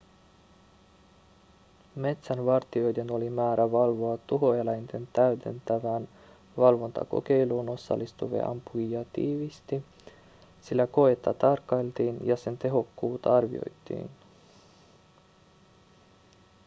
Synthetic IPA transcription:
me̞t̪sænʋɑrt̪io̞jde̞no̞limæːɾʔæʋɑlʋo̞ɑt̪uɦo̞elæjnt̪e̞nt̪æyt̪e̞̰nt̪æʋæːn | ʋɑlʋo̞nt̪ɑ̰ko̞̰k̟e̞jluːno̞sːɑ̰lːist̪uʋḛʔɑ̰mpujiɑt̪iːʋist̪i | silːæko̞et̪ːɑt̪ɑrkːɑjlt̪iːnjɑse̞nt̪e̞ɦo̞kːuːt̪ɑɑrʋio̞̰jt̪ːˑḭːn

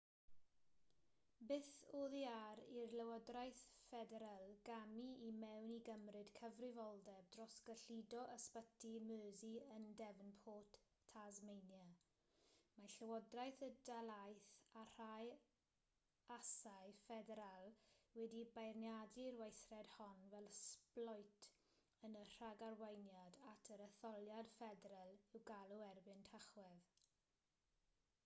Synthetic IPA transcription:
bɪθoːðiaɾirləwɔdrajθfɛdɛɾalˠɡamiimɛwniɡəmrɨd̥kʰəvrɪvɔlˠdɛb̚drɔsɡ̥əɬidɔʔəspətʰimøːziəndɛvənpʰoːtʰː | azmejnja | maɬəwɔdrajθədalˠajθar̥aj | asajfɛdɛɾalˠwɛdibajrnjadirwejθrɛd̥hɔnvɛlˠsplɔjtʰ | ənər̥aɡarwejnjadatʰəɾəθɔlˠjad̥fɛdɾalˠɪwɡalˠuɛrbɪntʰaχwɛð

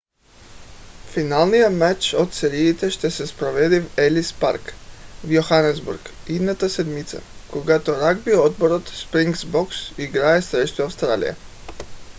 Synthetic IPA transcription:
finalnijamat͡ʃot̪seɾiːt̪eʃt̪esespɾoʋed̪iwelispa̰ɾkʋjoxanezbṵɾɡ | id̪nat̪ased̪mit̪sa̰koɡat̪oɾaɡ̚biood̪boɾot̪spɾiŋɡsboksiɡɾajesɾet͡ʃt̪uawst̪ɾa̰ːlḭjḛ

